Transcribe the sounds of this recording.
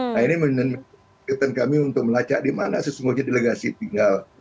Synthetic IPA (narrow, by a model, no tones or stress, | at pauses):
ainimənənm | ət̪ankamiunt̪ʊk̚məlat͡ʃa̰ʔdimanasəsuŋɡuhɲadeləɡasit̪iŋɡal